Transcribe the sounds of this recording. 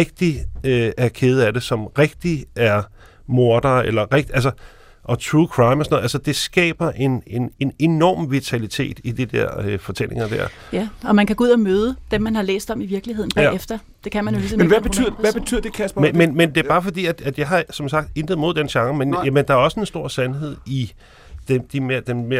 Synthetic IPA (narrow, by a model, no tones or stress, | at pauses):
eɡ̥̚d̥iøæɐkʰe̝ːð̞̩ˠæd̥e̝sɒ̽mʁeɡ̥̚d̥iæɐ | mo̝ɐd̥ɐelɐʁeɡ̥̚d̥iæls̬ɐ | ʔɒ̽t͡sʰʁuːkʰʁɑ̈ɪmɒsɒnð̩ˠælsɐd̥e̝sɡ̥ɛ̰ːb̥ɐʔe̝ne̝ne̝ne̝nɒ̰ːmʋit͡sʰælit͡sʰe̝̰ːd̥id̥id̥ḛɐ̰øfɒ̽t͡sʰelʔe̝ŋɐd̥æɐ | jæɒ̽mænkʰæɡ̥ouð̰ˠɐmøːð̞ˠəd̥emːænhɑ̈lḛːsd̥ɒ̽miʋiɐɡ̥liɦeð̰ˠn̩̥æefd̥ɐ | d̥e̝kʰæmænjo̝lismnʋæb̥eð̰ˠæb̥et͡sʰy̰ð̰ˠɐd̥e̝kʰæsb̥mmenmend̥e̝æɐb̥ɑ̈ːfɒ̽d̥ḭːæd̥æd̥jɑ̈ɪɦɑ̈sɒ̽msɑ̈ɡ̥̚d̥e̝nd̥ð̩ˠmo̝ð̞̰ˠd̥enɕɑ̈ŋəmenæmend̥ɑ̈æɐɒ̽səe̝nsd̥o̝ɐ̰sænhe̝ð̞̰ˠi | d̥emd̥imed̥emme